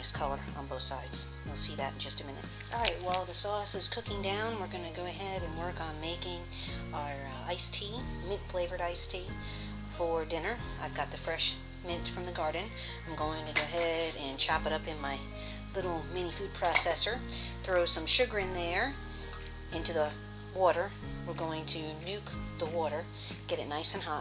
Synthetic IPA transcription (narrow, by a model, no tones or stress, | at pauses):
ɪskʰʌlˠə˞ə̃nboʊθsaɪdz̥ | wilˠsiðɨ̰ɾn̩d͡ʒʌstɨmɪ̃nɨ̰t̚ʔɑlˠɹaɪt̚waɪlˠðɨsɔsɨz̥kʰʊkɪ̃ŋdãʊ̃nwɪɹɡʌnɨɡoʊɨɦɛɾɨ̃nwɜ˞kn̩meɪkɪ̃ŋə˞ | aɪstʰimɪ̃tfleɪvə˞ɾaɪstʰi | fə˞dɪ̃nə˞ | ʔaɪvɡɑt̪̚ðɨfɹɛʃ | mɪ̃ntfɹʌ̃mðɨɡɑɹdⁿn̩ | ãɪ̃mɡoʊɪ̃ŋtʰɨɡoʊɨɦɛɾɨ̃nt͡ʃʰɑpəɾʌpɨ̃nmaɪ | lɪɾl̩ˠmɛñifʉd̚pʰɹ̥ɑsɛsə˞θɹoʊsʌ̃mʃʊɡə˞ɨ̃nðə˞ | ɪ̃ntʉðə | wɔɾə˞ | wɨɹɡoʊɪ̃ŋtʰɨnʉkðəwɔɾə˞ | ɡ̥ɛɾɨtⁿnaɪsɨ̃nhɑ